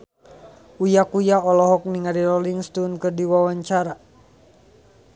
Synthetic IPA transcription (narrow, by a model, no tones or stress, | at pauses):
ujakujaɔlɔɦɔk̚niŋaɾilɔliŋst̪unkɨrdiwawaɲt͡ʃaɾa